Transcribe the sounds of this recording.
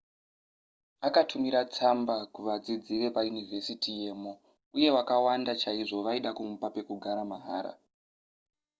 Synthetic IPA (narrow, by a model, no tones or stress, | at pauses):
akatʰumiɾat͡sambakuʋad͡zid͡ziʋe̞pajunivʱe̞sitije̞ːmo | uje̞wakawandat͡ʃaiʐo̞ʋaiɗakumupape̞kuɡʱaɾamaɦa̰ːɾa̰